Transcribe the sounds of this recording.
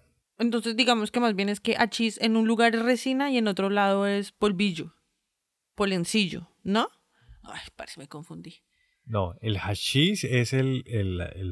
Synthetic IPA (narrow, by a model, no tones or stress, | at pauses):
ent̪o̞ns̬e̞zd̪iɣamo̞ske̞mazbje̞ne̞ske̞ʔat͡ʃise̞nunluɣaɾre̞sinaie̞no̞t̪ɾo̞lað̞oe̞spolβiʝo̞ | polensiʝo̞̰ | no | a̰jpaɾeseme̞ko̞ɱfund̪i | no̰elxat͡ʃiseselele